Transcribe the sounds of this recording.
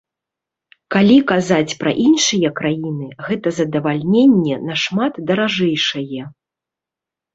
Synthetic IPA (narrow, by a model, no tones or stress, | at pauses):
kalʲikazat͡sʲpɾɐ̰ʔinʂɨjɐkɾajinɨɣɛt̪ɐzɐd̪ɐvalʲnʲenʲːɛnɐʂmat̪d̪ɐɾaʐɛjʂɐjɛ